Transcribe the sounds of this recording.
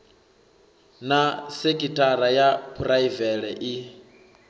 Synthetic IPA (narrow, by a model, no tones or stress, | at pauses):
nasekʼitʼaɾajapʰuraivɛɺɛʔi